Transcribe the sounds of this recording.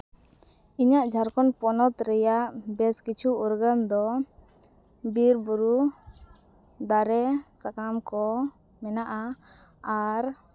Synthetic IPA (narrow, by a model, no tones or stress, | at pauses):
iɲaʔd͡ʒʱaɾkɔnpɔnɔt̪ɾɛjaʔbɛskit͡ʃʰuːɾɡand̪ɔ | biɾbuɾu | d̪aɾɛsakamkɔ | mɛnaʔaː | ɾ